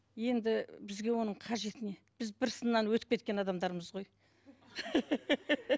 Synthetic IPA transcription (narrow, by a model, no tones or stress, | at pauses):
je̞nd̪ɪbɪzɡʲe̞wo̞nəɴqʰɑʒe̞t̪ɪne̞b̥ɪzbɪɾsənːɑnwɵt̪ɪp̚kʲe̞t̪̚kʲe̞nɑd̪ɑmd̪ɑɾməzʁo̞j